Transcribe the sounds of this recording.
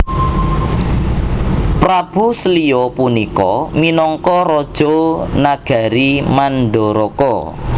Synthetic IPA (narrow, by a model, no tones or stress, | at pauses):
pɾab̥ṳsəliɔpunikɔminɔŋkɔɾɔd̥ʒ̥onaɡ̥a̤ɾimanɖoɾɔkɔ